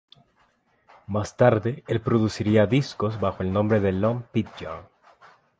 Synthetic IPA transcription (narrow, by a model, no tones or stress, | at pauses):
mast̪aɾðeelpɾoðusiɾiaðisko̞zβaxo̞elnõmbɾeðelompit̪̚d͡ʒo̰ŋ